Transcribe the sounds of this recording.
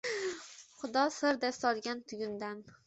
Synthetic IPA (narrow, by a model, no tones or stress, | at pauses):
χʊd̪ɒsɪɾd̪ast̪ɒɾɡʲant̪ʰʊɡʲʊnd̪an